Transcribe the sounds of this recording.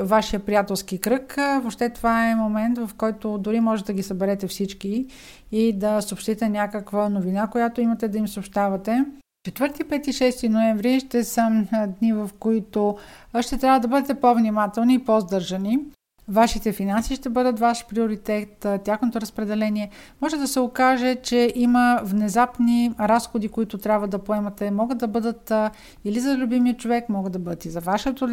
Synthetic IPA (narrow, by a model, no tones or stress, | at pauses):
vaʃijəpɾijat̪ɛlˠskikɾɤkvopʃt̪ɛt̪ovaɛmomɛnt̪vɐfkɔjt̪od̪ʊɾimɔʒɛt̪ɛd̪ɡisɐbɛɾɛt̪ɛfsit͡ʃkiː | d̪ɐsopʃt̪it̪ɛnʲjakəkvənovinakojat̪oimɐt̪ɛd̪ɐimsopʃt̪avɐt̪ɛ | t͡ʃɛt̪vɤɾt̪ipɛt̪iʃɛst̪inoɛɱvɾiʃt̪ɛsəd̪nivɐfkoit̪oʃt̪ɛt̪ɾʲabvəd̪ɐbɤd̪ɛt̪ɛpovnimat̪ɛlˠniːpozd̪ɤɾʒɐni | vaʃit̪ɛfinansiːʃt̪ɛbɤd̪ət̪vaʃpɾioɾit̪ɛt̪t̪ʲaxnot̪oɾɐspɾɛd̪ɛlɛniɛmɔʒɛd̪ɐsɛokaʒɛt͡ʃɛʔiməvnɛzapniɾasxod̪ikoit̪ʊt̪ɾʲabvɐd̪ɐpoɛmɐt̪ɛmɔɡəd̪d̪ɐbɤd̪ət̪ | ilizɐlʲubimiət͡ʃovɛkmɔɡəd̪ɐbɤd̪ɐt̪izɐvaʃɛt̪o